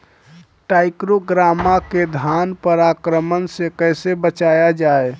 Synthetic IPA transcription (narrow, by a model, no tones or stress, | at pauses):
ʈajkɾoɡɾamːaked̪ʱanpəɾakɾəmənsekəjsebət͡ʃajad͡ʒae